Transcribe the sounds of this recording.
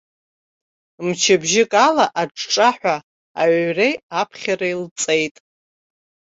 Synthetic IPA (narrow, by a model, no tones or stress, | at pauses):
mt͡ʃʰabʒɪkʼalaʔaʈ͡ʂʼʈ͡ʂʼaħʷa | a̰ʕrejapʰχʲaɾailt͡sʼe̞jtʼ